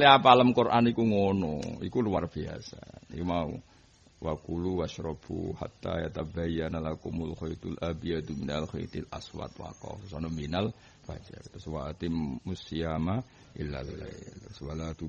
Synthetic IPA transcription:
liapalamkurʔanikuŋonɔ̰ḭkuluwarb̥ia̰sa̰nikumaṵ | wʔakuluwaʃɾɔb̥ṵha̰t̪ːa̰jat̪abajanalakumulxoit̪ulʔabijad̪uminalxot̪ilʔa̰swa̰t̪wa̰kɔ̰fsɔnɔminal | b̥a̰d͡ʒa̰rt̪ʊswaʔt̪imusiama | ʔila̰lːa̰jlswalad̪u

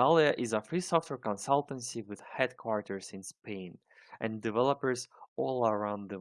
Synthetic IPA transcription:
alˠiɨʔɪzəfɹisɔftwəɹkə̃nsʌlˠtə̃nsiwɨð̥hɛd̚kʰw̥ɔɹtʰə˞zɪ̃nspʰẽɪ̃n | ʔɨ̃ndɨvɛlˠəpə˞zɔlˠəɹãʊ̃nd̪ðə

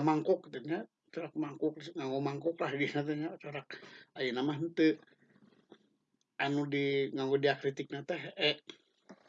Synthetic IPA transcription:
maŋkɔk̚t̪əɲa | t͡ʃɔɾak̚maŋkɔkŋaŋɡomaŋkɔklahɡinat̪̬ɛŋat͡ʃɔɾak̚ajənamaɦnt̪ə | anudiŋaŋɡɔdiakɾit̪ik̚nat̪ɛɦɛʔ

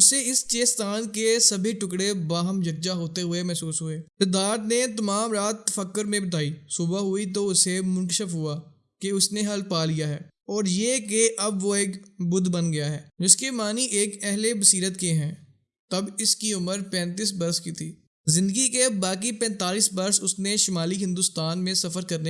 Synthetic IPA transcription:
ʊseɪst͡ʃeːst̪aːnkesɐbʱiʈʊkɽebaːɦəmd͡ʒʱɐk̚d͡ʒaɦoːt̪eɦʊemɛɦsuːsɦʊeːt̪ɪd̪aːɾt̪net̪ɐmaːmɾaːt̪ːɐfəkːʊɾmẽbɐt̪̬aːisuːbaɦʊit̪̬oʊsemʊ̃nkəʃəfɦʊaː | keʊsneɦɐlpaːlijaɦɛː | ɔːɾjeːkeʔɐbʋoeːkbʊd̪bənɡɐjaɦɛːd͡ʒɪskemaːniʔeːkɛɦlebəsiːɾət̪̚keɦɛ̃ː | t̪ɐbɪskiʊməɾpɛ̃ːnt̪̬iːs̬bɐɾskiːt̪ʰiː | zɪ̃nd̪əɡikebaːk̬ipɛ̃ːnt̪aːliːsbɐɾsʊsneʃɪmaːliɦɪ̃nd̪ʊst̪aːnmẽsɐfəɾkɐɾne

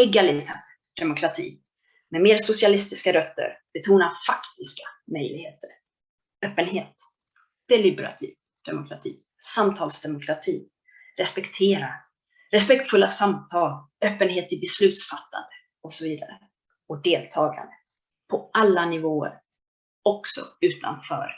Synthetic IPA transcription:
ɛɡalɪt̪ʰɛ | d̪̥ɛmʊkʰɾat̪ʰḭː | mɛmeːɾsʊsɪalɪst̪ɪskaɾœt̪ːə̰ɾb̥ɛt̪ʰuːnafakt̪ɪskḁmœjlɪɡheːt̪əɾ | œːpːənɦeːt̪ | d̪̥ɛlɪbɛɾa̰t̪ʰḭːv | d̪̥ɛmʊkʰɾat̪ʰḭː | samt̪ʰɑːlsd̪ɛmʊkʰɾat̪ʰḭː | ɾɛspɛkt̪ʰeːɾa | ɾɛspɛkt̪fɵlːasamt̪ʰɑːl | œːpːənɦeːt̪ɪbɛslʉ̟ːt̪sfat̪ːa̰nd̪ə | ɔksɔviːd̪aɾə | ɔk̚d̪eːlt̪ʰɑːɡa̰nd̪ə | pʰɔʔalːanɪvoːə̰ɾ | ɔksɔ̰ʉ̟ːt̪ʰa̰nfœ̰ːɾ

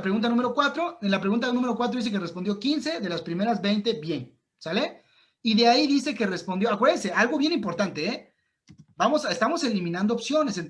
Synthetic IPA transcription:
pɾeɣunt̪anũmeɾokwat̪ɾoenlapɾeɣunt̪̬anũmeɾokwat̪ɾoðis̬e̞kerespo̞nd̪jo̞kinse̞ðe̞laspɾime̞ɾazbe̞jnt̪e̞bje̞ŋ | sale | iðe̞aiðise̞ke̞re̞spo̞nd̪joakweðenseʔalɣo̞βje̞nĩmpo̞ɾt̪ant̪e̞e | bamo̞saest̪amo̞se̞limĩnãnd̪oːpsjo̞ne̞sen

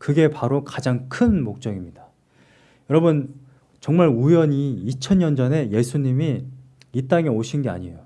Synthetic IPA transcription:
kɯɡe̞paɾokad͡ʑaŋkʰɯnmok̚t͡ɕ͈ʌɡimɲidḁ | jʌɾʌbɯn | t͡ɕʌŋmaɭujʌɲiːt͡ɕʰʌɲɲʌnd͡ʑʌne̞je̞sʰuɲimi | it͈aŋe̞oɕʰinɡe̞a̰ɲijo

